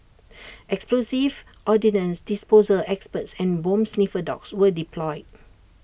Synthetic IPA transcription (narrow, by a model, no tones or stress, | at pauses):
ʔɛksplosivʔɔdinə̃nsdispozəlɛkspətsɛ̃nbõmsnifədɔ̰kswədipʰlɔjd̚